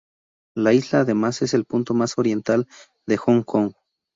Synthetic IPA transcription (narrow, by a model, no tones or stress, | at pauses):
laizlaːðe̞mase̞se̞lpunt̪omaso̞ɾje̞nt̪al | d̪e̞xoŋkoŋ